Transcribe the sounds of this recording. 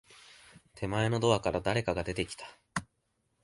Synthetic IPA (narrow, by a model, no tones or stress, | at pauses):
t̪ʰe̞mae̞no̞d̪o̞βakaɾad̪aɾe̞kaɡad̪e̞t̪e̞kʲi̥t̪ḁ